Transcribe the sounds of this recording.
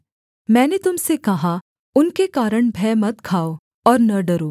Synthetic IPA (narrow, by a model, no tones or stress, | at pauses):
mɛ̃ːnet̪ʊmsekɐɦa | ʊnkekaːɾəɳ̃bʱɛːmɐt̪̚kʰaːo | ɔːɾnɐɖɐɾoː